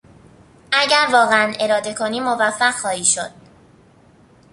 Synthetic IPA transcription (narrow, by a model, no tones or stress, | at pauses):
ʔæɟæɾvɒːɣeænʔe̞ɾɒːd̪e̞kʰo̞niːmo̞væfːæɢxɒːhiːʃo̞̰d̪̥̚